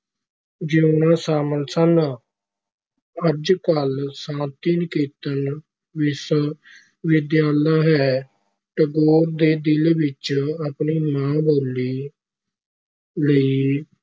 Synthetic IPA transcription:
d͡ʒiːʊnãːsaːməlsən | əɾd͡ʒkəlsãːnt̪iːnɪkeːt̪ən | ʋɪs | ʋɪd̪jaːləɦɛː | ʈəɡoːɾd̪eːd̪ɪlʋɪt͡ʃapniːmãːboːlːiː | ləiː

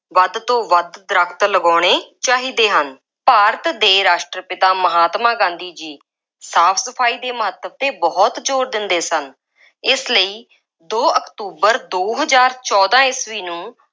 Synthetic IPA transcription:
ʋəd̪t̪õːʋəd̪d̪ɾəkʰt̪ləɡɔːɽ̃eːt͡ʃaːɦiːd̪eːɦən | paːɾət̪d̪eːɾaːʃʈɾəpɪt̪aːməɦaːt̪mãːɡãːnd̪iːd͡ʒiː | saːpʰsəpʰaːiːd̪eːməɦət̪ːəb̚t̪eːbɔːt̪d͡ʒoːɾd̪ɪnd̪eːsən | ɪsləiː | d̪oːəkt̪uːbəɾd̪oːɦəzaːɾt͡ʃɔːd̪ãːɪsʋiːnũː

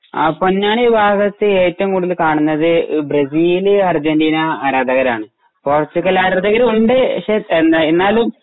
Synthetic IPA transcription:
ɐ̰pːonːaːɳiːbʱaːɡɐt̪ːɨeːtːɐmkuːɽuðilkaːɳunːɐðɨbrɐsiːlɐrd͡ʑɐndiːnɐːɾaːd̪ʱɐɣɐɾa̰ːɳɨ | porsiɣɐlaːɾaːd̪ɐɣɐɾuɳɖɨɕeend̪aenːaːlum

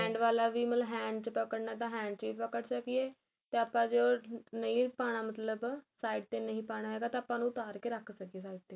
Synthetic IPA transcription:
ɛ̃ːɳɖʋaːlaːʋiːməlɦɛ̃ːɳɖt͡ʃpəkəɽnaːt̪̬ãːɦɛ̃ːɳɖt͡ʃʋiːpəkəʈsəkijeː | t̪eːəpãːd͡ʒoːnəĩːpaːɽ̃aːmət̪ləbsaːiɖ̚t̪eːnəɦĩːpaːɽ̃aːɦɛːɡaːt̪eəpːãːnũːt̪aːɾkeːɾəkʰsəkeːsaːiɖ̚t̪eː

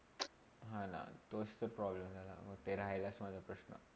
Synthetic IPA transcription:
ɦãna̰t̪ost̪əɾpɾɔbləmd͡zʱala̰mət̪eɾaɦlasmad͡zʱapɾəɕnə̰

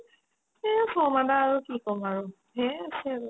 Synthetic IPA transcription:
ɛ̃sɔmadaːɹukikɔmaɹu | ɦɛ̃sɛ

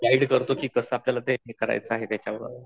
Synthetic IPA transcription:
ɡaiɽkəɾt̪okiːkəsəapljalat̪emikəɾa̰jt͡səaɦet̪jat͡ɕjaʋə

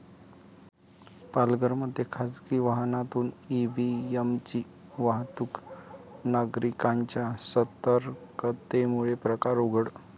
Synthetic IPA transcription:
palɡəɾməd̪ʱːjekʰad͡zkiːʋaɦnat̪uːniʋiəmt͡ɕiː | ʋaɦt̪uk | naɡɾikãɲt͡ɕjasət̪əɾkət̪emuɭepɾəkaɾoɡəɽ

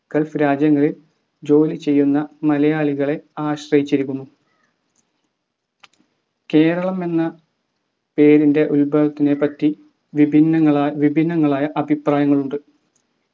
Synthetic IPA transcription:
kɐlfɨɾaːd͡ʑjɐŋːɐɭil | d͡ʑo̞ːlit͡ɕe̞jːunːɐmɐlɐjaːɭiɣɐɭe̞aːɕrɐjit͡ɕːiɾikːumu | ke̞ːɾɐɭɐme̞nːɐ | pe̞ːɾinde̞ʔulbɐlɐt̪ːine̞pɐtːi | ʋibʱinːɐŋːɐɭaʋibʱinːɐŋːɐɭaːjɐʔɐbʱipraːjɐŋːɐɭuɳɖɨ

